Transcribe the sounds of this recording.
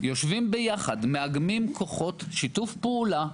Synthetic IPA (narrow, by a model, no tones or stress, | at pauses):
jo̞ʃvimbejaχadmeaɡmimkʰo̞χo̞tʃitufpeula